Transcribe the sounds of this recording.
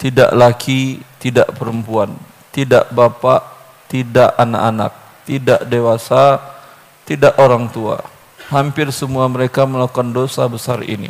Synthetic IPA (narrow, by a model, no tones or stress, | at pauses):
t̪ida̰ʔlakit̪ida̰ʔpəɾəmpuan | t̪ida̰ʔbapaʔ | t̪idaʔana̰ʔana̰k̚ | t̪idaʔdewasa | t̪idaʔoɾaŋt̪ua̰ | hampɪrsəmuaməɾekaməlakandosabəsarḭnḭ